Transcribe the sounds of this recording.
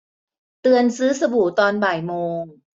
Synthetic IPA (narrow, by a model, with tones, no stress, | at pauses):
t̪ɯ˧ənsɯː˦˥sa˧bu˨˩˦t̪ɔː˧nbaː˨˩jmoː˧ŋ